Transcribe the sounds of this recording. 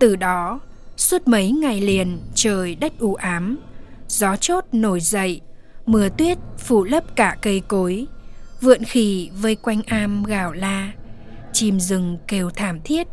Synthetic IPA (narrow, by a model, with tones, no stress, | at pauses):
t̪ɨ˨˩ɗɔ˨˦ | swə˦˥t̚mə˨˦jŋa˨˩jli˨˩ənt͡ɕəː˨˩jɗə˦˥t̚ʔu˧˩ʔaː˨˦mzɔ˨˦t͡ɕo˦˥t̚no˧˩jzə̰˧˨j | mɨ˨˧˩ət̪wi˦˥ət̚fu˧˩lə˦˥p̚kaː˧˩kə˧jko˨˦jvɨ̰˧˨ənxi˧˩və˧jkwa˧jŋ̟ʔaː˧mɣaː˧˩wlaː˧ | t͡ɕi˨˩mzɨ˨˩ŋke˧˩wt̪ʰaː˧˩mt̪ʰi˦˥ət̚